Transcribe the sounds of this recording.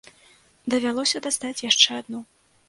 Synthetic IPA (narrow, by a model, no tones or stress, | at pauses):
d̪ɐvʲalˠɔsʲɐd̪ast̪at͡sʲjaʂt͡ʂɛad̪nɔ